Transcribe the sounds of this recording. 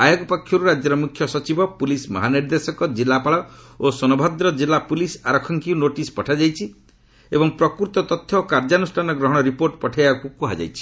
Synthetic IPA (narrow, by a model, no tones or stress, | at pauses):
ajɔɡɔpɔkʰːjɔɾuɾad͡ʒjɔɾɔmukʰːjɔsɔt͡ʃibʱɔpulismɔ̰ɦaniɾd̪esɔkɔd͡ʒilːapaɭɔosɔnɔbʱad̪ɾɔd͡ʒilːapulisaɾɔkʰːɔŋkiunoʈispɔʈʰad͡ʒajt͡ʃʰi | ebɔŋpɾɔkuɾt̪ɔt̪ɔt̪ʰjɔkaɾd͡ʒanusʈʰanɔɡɾɔɦɔɽ̃ɔɾipoɾʈpɔʈʰajbakukuɦad͡ʒa̰jt͡ʃʰi̥